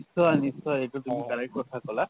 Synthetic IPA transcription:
sɔanisɔaekut̪umikaɽak̚kɔt̪ʰakɔla

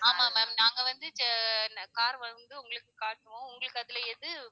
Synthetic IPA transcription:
aːmaːmaːmnaːŋɡɐʋɐnd̪ɯt͡ʃnɐkaːɾʋɐnd̪ɯʊŋɡɐɭɯkːɯkaːʈːɯʋʊ̃ʊŋɡɐɭɯkːɯɐðɪlɐɛðɯ

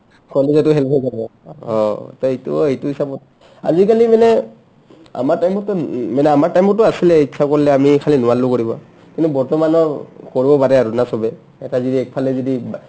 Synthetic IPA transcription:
kɔlɛzatʊɦɛlpʰɔjkabɔɔ̃tɔejtṵejtʊhisabɔt̚ | a̰zik̬alimanɛ | a̰maɹtajmɔtʊmanɛamaɹtajmɔtʊasilɛitsʰakoɹilɛamikʰalinʊwalʊkoɹibɔ̰ | kintubɔɹtɔmanɔɹkoɹibɔpaɹɛaɹunasɔbɛ | ɛtazɔdiɛk̚pʰalɛzodi

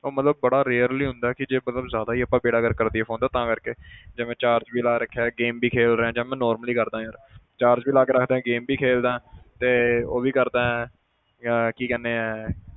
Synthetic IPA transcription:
oːmət̪ləb̚ːəɽaːɾeːɾliːɦʊ̃nd̪aːkɪd͡ʒeːmət̪ləbzjaːd̪aːɦiːəpːãːbeːɽaːɡəɾkəɾd̪iːɛːõːnd̪aːt̪ãːkəɾkeːd͡ʒeːmɛ̃ːt͡ʃaːɾd͡ʒbiːlaːɾəkʰːaːɡeːmbʱiːkʰeːlɾeɛ̃ːd͡ʒãːmɛ̃ːnɔːɾməliːkəɾd̪ãːɦẽoɾt͡ʃaːɾd͡ʒbiːlaːkeːɾəkʰd̪eːɛ̃ːɡeːmbiːkʰeːld̪ãːɦɛ̃ːt̪eːoːbiːkəɾd̪aːɛ̃ː | kiːkɛːneːɛː

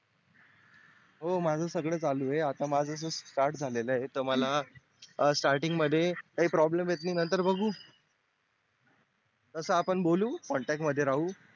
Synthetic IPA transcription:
ɦomad͡zʱəːsəɡɭəːt͡saluːjeat̪amad͡zəs̬əsʈaɾʈd͡zʱaleləet̪əɾməla | sʈaɾʈiŋɡməd̪ʱːjet̪aɦipɾɔblemjet̪niːnənt̪əɾbəɡuː | t̪əsəapəɳboluːkɔɳʈæk̚ʈməd̪ʱːjeɾaɦuː

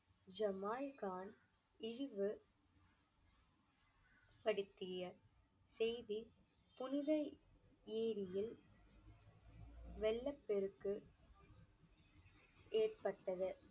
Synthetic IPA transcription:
d͡ʒɐmaːlkaːn | ɪɻɪʋɯ | pɐɽɯt̪ːɪjɐ | sɛjði | pʊnɪðɐ | eːɾɪjɪl | ʋɛlːɐpːɛɾɯkːɯ | eːrpɐʈːɐðɯ

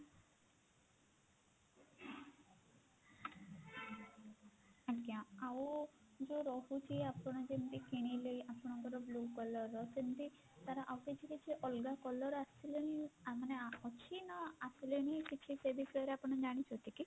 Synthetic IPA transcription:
aʈkiãawd͡ʒoɾɔɦut͡ʃʰiapɔɽ̃ɔd͡ʒent̪ikeɽ̃ilejʔapɔɽ̃ɔŋkɔɾɔblukɔlɔɾɔsent̪i | t̪aɾaʔawkat͡ʃʰikit͡ʃʰiʔɔlɡakɔlɔɾasileniaɦaneɔt͡ʃʰinɔasileñikit͡ʃʰiseb̪islɔɾeapɔɽ̃ɔd͡ʒaɽ̃it͡ʃʰɔt̪iki

